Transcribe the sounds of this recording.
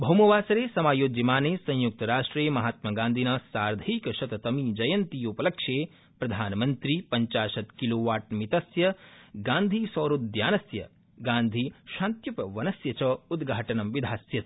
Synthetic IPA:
bʱɐwmɐʋaːsɐɾeːsɐmaːjoːd͡ʒimaːneːsɐ̃juk̚t̪ɐɾaːʂʈɾeːmɐɦaːt̪mɐɡãːnd̪ʱinɐsaːɾd̪ʱɐikɐʃɐt̪ɐt̪ɐmid͡ʒɐjɐnt̪ijopɐlɐkʃeː | pɾɐd̪ʱaːnɐmɐnt̪ɾipɐɲt͡ʃaːʃɐt̪kiloːʋaːʈ̚mit̪ɐsjɐɡãːnd̪ʱiːsɐːɾud̪d̪jaːnɐsjɐ | ɡãːnd̪ʱiːʃãːnt̪jupɐʋɐnɐsjɐt͡ʃɐud̪ɡʱaːʈɐnɐmʋid̪ʱaːsjɐt̪̚

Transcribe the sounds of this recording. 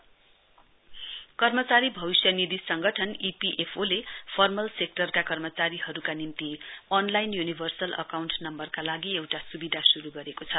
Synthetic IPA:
kʌrmʌt͡saɾibʱʌbisjʌnid̪isʌŋɡʱʌʈʰʌnipiʔepʰolepʰʌrmʌlsek̚ʈʌrkakʌrmʌt͡saɾiɦʌɾukanimt̪iʌnlajnjunibʱʌrsʌlʌ̰kawɳʈnʌmbʌrkalaɡiewʈasubid̪ʱasuɾuɡʌɾekot͡sʰʌ

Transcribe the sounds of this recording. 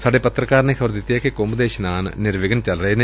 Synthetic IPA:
sɐɽepɐt̪rɐkːaːɾnekʰɐʋɐɾd̪it̪ːjekːekoːmbɐd̪eːɕɐnaːnɨ̰niɾʋiɡɐnt͡ɕɐlɐrɐjn

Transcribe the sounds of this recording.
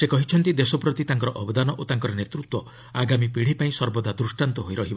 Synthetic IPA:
sekɔɦit͡ʃʰɔnt̪id̪esɔpɾɔt̪it̪aŋkɔɾɔʔɔbɔd̪anɔʔot̪aŋkɔɾɔnet̪ɾut̪wɔ | aɡamipiɽ̤ipaĩsɔɾbɔd̪ad̪ɾusʈant̪ɔɦojɾɔɦibɔ

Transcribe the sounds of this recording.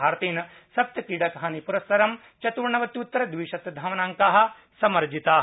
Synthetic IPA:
aːɾt̪iːnɐ | sɐp̚t̪ɐkiɽɐkɐɦaːnipuɾɐsːɐɾɐm | t͡ʃɐt̪uːɾɳɐʋɐt̪ːjut̪ːɐɾɐd̪ʋiʃɐt̪d̪ʱɐʋɐnaːŋkaːɦɐ̆ | sɐmɐɾd͡ʒit̪aː

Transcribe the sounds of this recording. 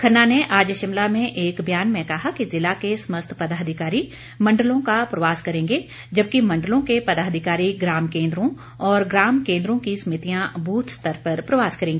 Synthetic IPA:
kʰɐnːaneʔaːd͡ʒəʃɪmlamẽʔeːkbʱjaːnmẽkɐɦakizɪlakesməst̪ʰpɐd̪aːɦd̪ʱɪkaːɾi | mɐ̃ɳɖəlõkapɾɐʋaːskɐɾẽːŋɡe | d͡ʒɐb̚kimɐ̃ɳɖəlõkepɐd̪aːɦd̪ʱɪkaːɾiɡɾaːmkẽːnd̪ɾõ | ɔːɾɡɾaːmkẽːnd̪ɾõkisɐmɪt̪ijãbʱuːt̪ʰst̪əɾpɐɾpɾɐʋaːskɐɾẽːŋɡeː

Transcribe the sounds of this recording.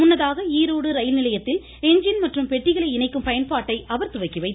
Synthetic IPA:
mʊnːɐðaːɣɐiːɾoːɽɯɾɐjɪlnɪlɐjɐt̪ːɪl | ɛɲd͡ʒɪnmɐʈrɯmpɛʈːɪɣɐɭɐɪnɐɪkːɯmpɐjɐnpaːʈːɐɪʔɐʋɐɾt̪ʊʋɐɪkːiʋɐɪt̪ː

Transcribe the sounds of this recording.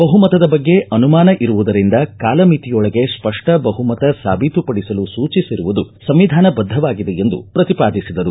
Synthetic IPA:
bɐɦumɐt̪ɐd̪ɐbɐɡːe̞ʔɐnumaːnɐʔiɾuʋud̪ɐɾind̪ɐkaːlɐmit̪ijɔɭɐɡe̞spɐʂʈɐbɐɦumɐt̪ɐsa̰ːbʱit̪upɐɽisɐlusuːt͡ʃisiɾuʋud̪usɐmʋid̪ʱaːnɐbɐd̪ʱːɐʋaːɡid̪ejend̪ṵpɾɐt̪ipaːd̪isid̪ɐɾu

